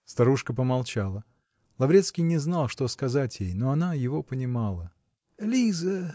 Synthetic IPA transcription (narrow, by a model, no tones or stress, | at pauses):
st̪ɐɾuʂkəp̬əmɐlˠt͡ɕalˠə | lˠɐvɾʲe̞t̪skʲɪjnʲɪznalˠʂt̪o̞skɐzatʲjejno̞ɐnajɪvo̞pənʲɪmalˠə | lʲizə